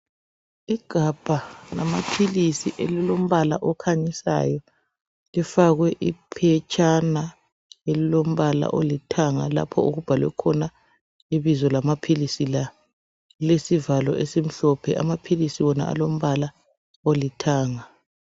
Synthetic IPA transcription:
iɡ̥ʱab̥ʱanama̰pʰilisiʔelilom̩βala̰ʔɔkʰaɲisa̰jɔ | lifaɣwɛʔipʰɛt͡ʃʼana | elilom̩βala̰ʔolitʰaŋa̰la̰pʰɔ̰uɣub̥ʱalwɛ̰kʰɔna | iβizɔlamapʰilisila | lesivalɔʔesim̩ɬɔpʰɛʔa̰mapʰilisiwɔna̰ʔa̰lom̩βala | olitʰaːŋa

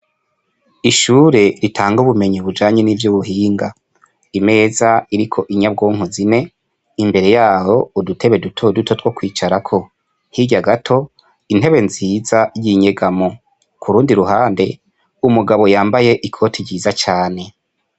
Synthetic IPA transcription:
iʃuːɾe̞ɾitʰaːŋɡuβume̞ɲiβud͡ʒaːɲenivjuβuɦiːŋɡa | ime̞ːzaiɾikʰo̞ʔiɲab̚ɡoːŋ̥uzine̞ | imbe̞ɾe̞jaːho̞udutʰe̞βe̞dutʰodutʰo̞twokwiːt͡ʃaɾakʰo̞ | hiɟaɡatʰo̞ | in̥e̞βe̞nziːzajiɲe̞ɡamo | kʰuɾuːndiɾuɦaːnde̞ | umuɡaβo̞jaːmbaje̞ʔikʰo̞tʰiɾɟiːzat͡ʃaːne̞

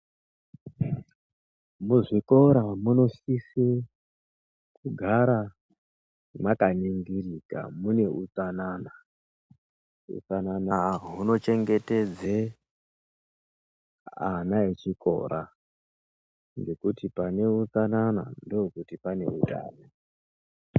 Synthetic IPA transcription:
muʐiko̞ɾamuno̞sise | kuɡʱaɾa | makaniŋɡirika̰mune̞ʔut͡sanana | ṵt͡sananaɦuno̞t͡ʃe̞ŋɡe̞te̞d͡ze | a̰naet͡ʃiko̞̰ːɾa | ŋɡe̞kutipane̞ut͡sanana̰ndookutipane̞uta̰ːna

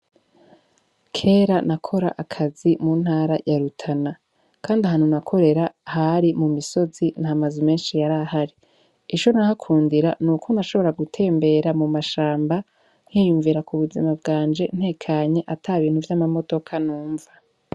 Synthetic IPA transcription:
kʰe̞ːɾanakʰo̞ɾa̰ʔakʰazimuːn̥haːɾajaɾutʰana | kʰaːndiaɦan̥unakʰo̞ɾe̞ɾahaɾimumiso̞zinhamazume̞ːnʃijaɾahaɾi | it͡ʃo̞nahakʰuːndiɾanukʰo̞naʃo̞βo̞ɾaɡutʰe̞ːmbe̞ɾamumaʃaːmba | n̥hiːjuɱviɾakuβuzimabɡaːnd͡ʒe̞n̥he̞ːkʰaɲe̞ʔatʰaβiːnhuvjamamo̞do̞kʰanuːɱva

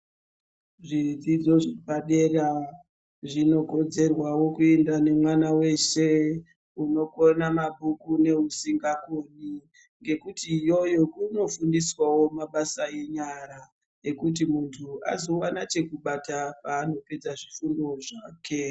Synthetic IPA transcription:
ʐid͡zid͡zo̞ʐebaɗera | ʐino̞ko̞d͡ze̞rwawo̞kue̞ndane̞mwanawe̞ʃe̞ | uno̞ko̞namabʱukune̞usiŋɡakoni | ŋɡe̞kutijo̞jo̞kuno̞fundiswawo̞maɓasae̞ɲaɾa | ekut̬imuntʰua̰zo̞wanat͡ʃe̞kuɓatapaːno̞pe̞d͡zaʐifundo̞ʐaːkʰe̞

